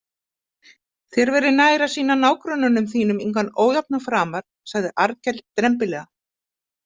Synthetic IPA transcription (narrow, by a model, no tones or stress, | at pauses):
θjɛɾvɛɾʏnaːjɾasiːnanaːwkɾœnːanʏmθiːnʏmiŋkvanoːwjap̚nafɾaːmaɾ̥ | saɣðɪʔaɾcɛlt̪ːɾɛmp̬ɪlɛːɣa